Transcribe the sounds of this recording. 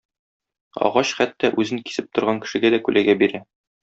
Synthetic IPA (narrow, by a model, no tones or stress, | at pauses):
ɒ̰ʁɑɕχæt̪ːɒʔʉzɘŋki̥sɘp̚t̪ŏɾʁɑŋkɘ̆ʃɘ̆ɡæd̪ækʉlæɡæbiɾæ